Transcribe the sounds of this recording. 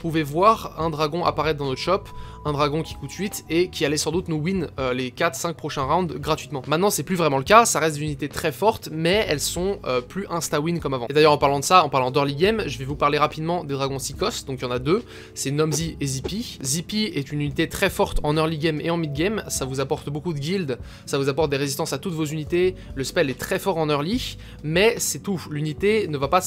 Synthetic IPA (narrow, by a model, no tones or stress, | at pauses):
upuvevwaʁɛ̃d̪ʁaɡɔ̃ʔa̰paʁɛt̪̚d̪ɑ̃nɔt̪χʃɔp | ɛ̃d̪ʁaɡɔ̃kʲi̥kut̪sɥit̪ekʲʰialɛsɑ̃d̪ut̪nuwinølekʲat̪χsɛ̃k̚pχɔʃɛ̃ʁãd̪ɡʁat̪ɥit̪mɑ̃mɛ̃t̪nɑ̃sɛplyvʁɛmɑ̃ləkasaʁɛst̪d̪zynit̪et̪χɛfɔʁt̪mɛɛlsɔ̃øplyʔɛ̃st̪awinkɔmavɑ̃ed̪ajœʁɑ̃paʁlɑ̃d̪əsaɑ̃paʁlɑ̃d̪ɔʁliɡɛmʒəvɛvupaʁleʁapid̪mɑ̃d̪ed̪ʁaɡɔ̃sikɔst̪d̪ɔ̃kjɑ̃nad̪ø | sɛnɔmziezipizipiɛt̪ynynit̪et̪χɛfɔʁt̪ɑ̃nœʁliɡʲɛmeɑ̃mid̪̚ɡʲɛmsavuzapɔʁt̪bokud̪əɡʲild̪ | savuzapɔʁt̪̚d̪eʁezist̪ɑ̃sat̪ut̪vozynit̪eləspɛlɛt̪χɛfɔʁɑ̃nœʁli | mɛsɛt̪ulynit̪enəvapa